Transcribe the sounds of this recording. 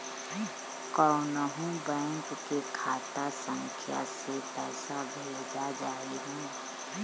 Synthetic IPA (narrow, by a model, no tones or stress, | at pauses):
kɔʊnəɦũbɛ̃ːŋkkekʰaːt̪asə̃ŋkʰja̰set̪ɛsabʱeːd͡ʒad͡ʒaːiɦũː